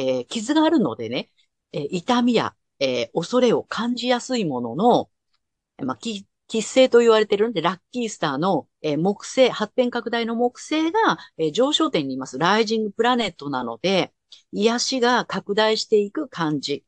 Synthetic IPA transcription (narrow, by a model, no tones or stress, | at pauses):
ekʲizɨɡaːɾɯ̟no̞̰d̪e̞̰ne̞ | eʔit̪amʲija̰ | eːo̞so̞ɾe̞o̞kʰãɲ̟d͡ʑijasɨimo̞no̞̰no̞ | makʲi | kʲisːe̞ːt̪o̞iβaɾe̞t̪e̞ɾɯ̟nod̪e̞ɾakʲːisɨ̥t̪aːno̞ | eːmo̞kɯ̟̥se̞ːhat̪ːẽ̞ŋkakɯ̟d̪aino̞mo̞kɯ̟̥se̞ːɡaeːd͡ʑo̞ːɕo̞ːt̪ẽ̞ɲ̟ːiːmasɨɾaiʑĩŋɡɯ̟pɯ̟ɾane̞t̪ːo̞nano̞̰d̪e̞ | ijaɕiɡakakɯ̟d̪aiɕi̥t̪e̞ikɯ̟kʰãɲd͡ʑi